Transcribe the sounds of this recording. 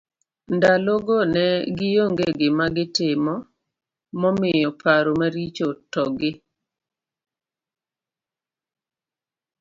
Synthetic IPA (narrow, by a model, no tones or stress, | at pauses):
ndaloɡonɛɡɪjoŋɡeɡɪmaɡɪtɪmɔ | mɔmɪjɔpʰaɾomaɾit͡ʃotɔɡɪ